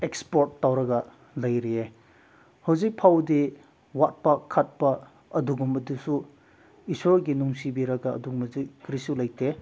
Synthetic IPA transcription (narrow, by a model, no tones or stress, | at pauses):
ekspoɾtːawɾɐɡɐ | lɐjɾie | hɐwzik̚pʰawdi | wat̚pakʰːɐt̚pɐ | ɐduɡumbɐdusu | isɔɾɡinuŋsibiɾɐɡɐɐ̰duɡmɐdikɾisulɐjtʰe